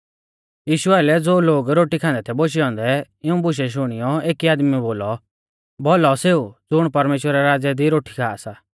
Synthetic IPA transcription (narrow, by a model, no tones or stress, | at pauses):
jiːʃʊaːlɛd͡zoːloːɡɾoːʈikʰãːnd̪ɛt̪ʰɛboʃ̬iɔ̃ːnd̪ɛ | ɪũbʊʃ̬ɛʃ̬ʊɽ̃ɪjɔeːkiaːd̪miboːlɔ | bɔlɔseːud͡zʊɽ̃pɐɾmeːʃwəɾaɾaːd͡zɛd̪iɾoːʈʰi̥kʰaːasa